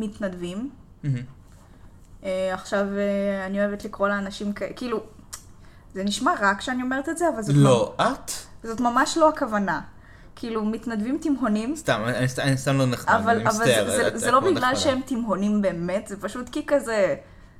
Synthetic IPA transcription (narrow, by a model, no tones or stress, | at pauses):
mit̪nad̪vim̩ | ɦ | eaχʃaveanio̞evet̪likʁo̞leanaʃimkakiːlu | zeniʃmaʁakʃeanio̞me̞ʁet̪etzeavalzoloʔat̪zo̞t̪mamaʃlo̞akavana | kiːlumit̪nadvimt̪imɦo̞nimst̪amisanist̪amloneχavalavalzezelo̞biɡlalʃeemt̪imɦo̞nimbe̞ːmetzepaʃut̪kikaze